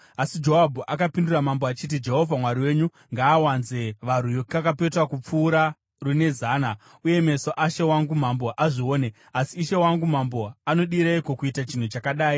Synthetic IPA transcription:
asid͡ʒo̞abʱuʔakapinduramamboat͡ʃit̬id͡ʒe̞ɦo̞vʱamwaɾiwe̞ɲu | ŋɡaːwanze̞ʋar̤ujokakape̞twakup͡fuːɾa | rune̞zaːna | uje̞me̞soʔaʃe̞waŋɡum̤ambo̞ʔaʐio̞ːne̞ | asiːʃe̞waŋɡum̤ambo̞ano̞ɗiɾeiko̞kuitat͡ʃin̤ut͡ʃakaɗaːi

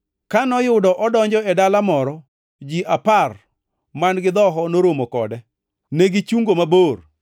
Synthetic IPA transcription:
kanɔjʊdɔʔɔdɔɲd͡ʒɔɛdalamɔɾɔ | d͡ʒiʔapar | manɡɪd̪ɔɦɔnoɾomokɔ̰dɛ | neɡit͡ʃuŋɡomabor

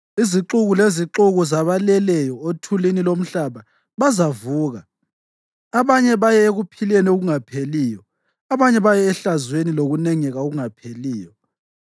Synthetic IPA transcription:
iziǁuɣuleziǁuɣuzaβalɛlɛjɔotʰulinilom̩ɬaβa | βazavuːɣa | aβaɲɛβajɛeɣupʰilɛnioɣuŋapʰeliːjɔ | aβaɲɛβajɛːɬazweniloɣunɛŋɛɣaoɣuŋapʰeliːjɔ

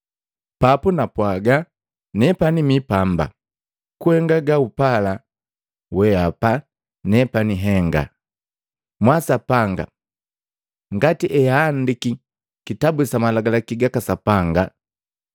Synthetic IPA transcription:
papunapwaɡa | nɛpanimipamba̰ | kuhɛŋɡaɡaupala | wɛapa | nɛpaniɦɛŋɡa̰ | mwasapaŋɡa̰ | ŋɡatiʔɛaːndiki | kitabusamalaɡalakiɡakasapaŋɡa

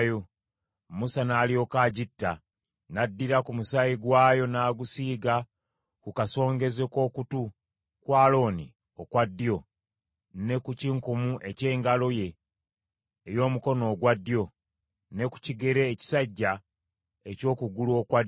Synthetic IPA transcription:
jo | musanaːlio̞kaɟitːa | nadːiɾakumusajiɡwaːjo̞naːɡusiːɡa | kukaso̞ːŋɡe̞zeko̞ːkutu | kwaːlo̞ːni | okwadːijo̞ | ne̞kuciŋkumuʔe̞ce̞ːŋɡalo̞je̞ | jo̞ːmuko̞no̞ːɡwadːjo̞ | ne̞ku̥ciɡe̞ɾe̞ːci̥saɟːa | eco̞ːkuɡuluo̞ːkwad

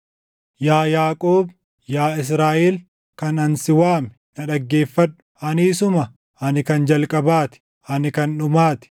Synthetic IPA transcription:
jaːjaːkʼoːb | jaːɪs̬ɾaːʔeːl | kɐnɐnsɪwaːmɛnɐᶑɐɡːe̞ːfːɐᶑʊ̥ | ɐniːsʊmɐ | ɐnɪkɐnd͡ʒɐlkʼɐbaːt̪ɪ̥ | ɐnɪkɐnᶑʊmaːt̪ɪ̥

